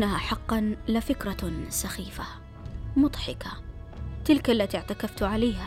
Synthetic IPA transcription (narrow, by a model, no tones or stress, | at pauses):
ʔahaːħɑqːɑnlɪfɪkɾˤɑsaxiːfa | mʊd̪ˤħɪkat̪ɪlkalːat̪iʕt̪akaft̪ʕalaːha